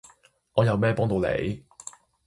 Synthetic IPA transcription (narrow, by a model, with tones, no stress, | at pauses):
ŋɔː˨˧jɐ˨˧wmɛː˥pɔː˥ŋt̪o˨˧wlḛ˨˧j